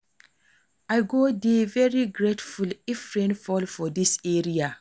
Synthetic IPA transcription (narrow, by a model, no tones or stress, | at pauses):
ʔajɡodevɛɹiɡɹetfulifɹɛ̃nfɔlfɔdisɛɹia